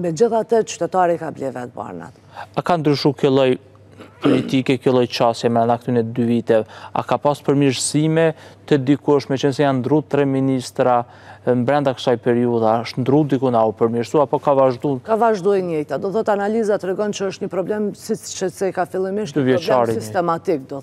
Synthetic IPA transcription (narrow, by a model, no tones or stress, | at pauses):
mɛd͡ʑiθat̪ət͡ʃy̥t̪ɛt̪aɾikablɛvɛt̪̚ba̰ɾna̰t̪ | akand̪ɾyʃukəlˠɔj | pɔlit̪ikɛkəlˠɔjt͡ʃasjɛmɛɾɛnak̚t̪ynɛd̪yvit̪ɛvɛa̰kapaspəɾmiɾsimɛt̪əd̪ikuəʃmɛt͡ʃənsɛjannd̪ɾut̪ɾɛminist̪ɾa | mbɾɛnd̪akə̥sajpɛɾiuðaəʃt̪nd̪ɾud̪ikunaɔpəɾmiɾsuapɔkavaʒd̪unkavaʒd̪uɛɲɛjt̪ad̪ɔθɔt̪analizat̪ɾɛɡɔnt͡ʃəəʃt̪ɲəpɾɔblɛmsit͡ʃɛsɛkafilˠimiʃd̪yvjɛt͡ʃaɾisist̪ɛmat̪ik̚d̪ɔ